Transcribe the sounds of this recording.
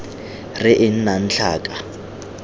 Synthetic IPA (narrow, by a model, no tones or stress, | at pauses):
rɪʔɪn̩nan̩ɬʰa̰ːkʼa